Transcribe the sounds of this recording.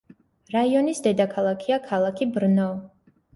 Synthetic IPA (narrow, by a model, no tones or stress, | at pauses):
ɾaiɔnisd̪ɛd̪akʰalˠakʰiakʰalˠakʰibɾnɔ